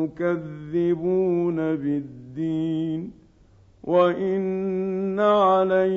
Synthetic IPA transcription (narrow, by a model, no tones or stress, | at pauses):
ʊkaðːɪbuːnabɪd̪ːiːn | wʔaʔɪnː | aʕala